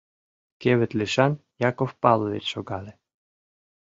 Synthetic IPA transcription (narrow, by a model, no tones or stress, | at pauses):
keβɘ̆t̪lʲeʃɑnjɑkofpɑlˠovḛt̪ʃoɡɑle